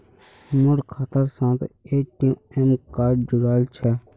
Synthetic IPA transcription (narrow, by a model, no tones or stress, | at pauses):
mʊɽkʰaːt̪əɾsãːt̪eːʈiemkaːɾɖd͡ʒʊɾaːlt͡ʃʰɛ